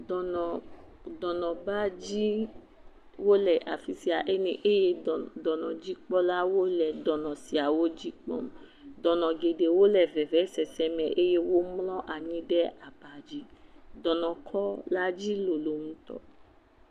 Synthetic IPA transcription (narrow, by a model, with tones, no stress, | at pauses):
dɔ˨ñ˨ | dɔ˨nɔ̃˨ba˦d͡ʒi˦ | wo˦lɛ˨ʔa˨fi˨si˨a˨ʔe˦nĩ˨ʔe˦je˦˨dɔ˨nɔ̃˨d͡ʒi˦k͡pɔ˦la˦wo˦lɛ˨dɔ˨nɔ̃˨si˨a˨wo˦d͡ʒi˦k͡pɔ̰˦m̩˦ | dɔ̃˨nɔ̃˨ɡe˨de˨wo˦lɛ˦˨vɛ˨vɛ˨˦sɛ˨sɛ˨mɛ̃˨ʔe˦je˦wo˦mlɔ̃˦ʔa˨ɲĩ˦dɛ˦a˨ba˨d͡ʒi˦dɔ̃˨nɔ̃˨kʰɔ˦la˦d͡ʒi˦lo˨lo˨m̩̃˦t̪ɔ̰˨